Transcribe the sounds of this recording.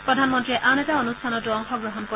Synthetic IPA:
pɹɔdʱanmɔntɹiɛʔanɛtaonustʰanɔtuɔŋxɔɡɹɔɦɔnko

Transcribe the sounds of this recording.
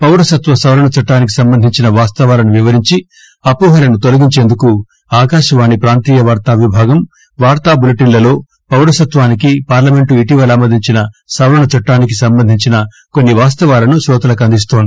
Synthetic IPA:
pɐwɾɐsɐt̪ʋɐsɐwlɐɳɐt͡ʃɐʈːaːnik̬i̥sɐmbɐnd̪ʱiɲt͡ʃinɐʋaːst̪ɐʋaːlɐnuʋiʋɐɾiɲt͡ʃi | ɐpuːɦɐlɐnut̪o̞lɐɡiɲt͡ʃeːnd̪uku | aːkaːʃɐʋaːnipɾaːnt̪iːjɐʋaːɾt̪aːʋibʱaːɡɐm | ʋaːɾt̪aːbulɐʈinlɐlo̞ː | pɐwɾɐsɐt̪ʋaːnikipaːɾlɐme̞ɳʈuiʈiʋɐlɐmɐd̪ʱiɲt͡ʃinɐsɐwɾɐɳɐt͡ʃɐʈːaːnik̬isɐmbɐnd̪ʱiɲt͡ʃinɐ | konːiʋaːst̪ɐʋaːlɐnuʃɾɔːt̪ɐlɐkɐnd̪is̬t̪oːnd̪i̥

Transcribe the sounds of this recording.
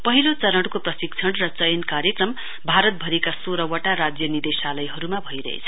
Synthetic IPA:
pʌɦilot͡sʌɾʌɽkoprʌsik̚t͡sʰʌɽrʌt͡sʌjnkaɾjekrʌm | bʱaɾʌt̪̚bʱʌɾikasoɾʌwʌʈaɾad͡zjʌnid̪esalʌjɦʌɾumabʱʌiɾʌ̰ɦḛt͡sʰʌ

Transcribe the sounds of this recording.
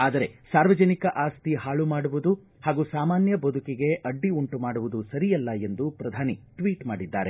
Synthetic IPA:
aːd̪ɐɾe̞saːɾʋɐd͡ʒɐnikɐʔaːst̪iɦaːɭumaːɽuʋud̪u | haːɡuːsaːmaːnjɐbod̪ʱukiɡe̞ʔɐɖːiuɳʈumaːɽuʋud̪usɐɾijɐlːɐe̞nd̪upɾɐd̪ʱaːniʈʋiːʈmaːɽid̪ːaːɾe̞

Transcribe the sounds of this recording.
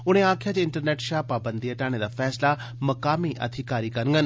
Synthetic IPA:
ʊɽ̤̃ẽaːkʰjat͡ɕeɪ̃ɳʈəɾneːʈʃaːpaːbə̃nd̪iɐʈaːɽ̃ed̪aːfɛːsla | mɐkaːmiʔɐ̰d̪ʱɪkaːɾikɐɾəŋɡən

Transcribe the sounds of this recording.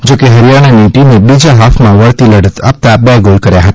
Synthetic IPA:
d͡ʒokeɦəɾijaɽ̃aniʈimebid͡ʒaɦafʰmãʋəɭt̪iləɽət̪ap̚t̪abɛɡolkəɾjaɦət̪aa

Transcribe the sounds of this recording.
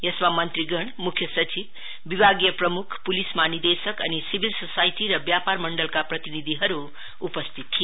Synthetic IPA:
jʌsmamʌnt̪ɾiɡʌɳmukʰːjʌsʌt͡sibː | ibʱaɡjʌprʌmukʰpulismanid̪esʌkʌnisibʱilsosajʈiɾʌbjaparmʌɳɖʌlkaprʌt̪inid̪ʱiɦʌɾuː | pʌst̪ʰit̪ʰːij

